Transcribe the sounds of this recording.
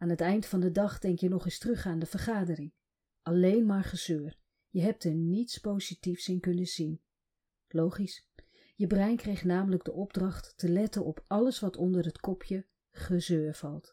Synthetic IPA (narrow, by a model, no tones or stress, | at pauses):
aːnɦətɛjndfɑndədɑχdɛŋkjənɔχɪstrɵχaːndəv̥əɹχaːdərɪŋ | ʔɑlejnmaːɹχəz̥øːɹ | jəɦɛp̚tɛɹnitspowzitifsɪnkɵnəzin | lowχis | jəbrɛjnkrejχnaːmələɡ̚dəʔɔbdrɑχtːəlɛtənɔpɑləsʋɑtʰɔndəɹɦətkɔpʰjə | χəzøːɹv̥ɑlˠt